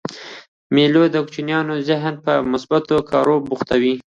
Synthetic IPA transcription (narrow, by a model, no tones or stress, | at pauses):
melod̪əkt͡ʃinjɑnozɪɦnpəmʊsbat̪okɑɾobuxt̪awi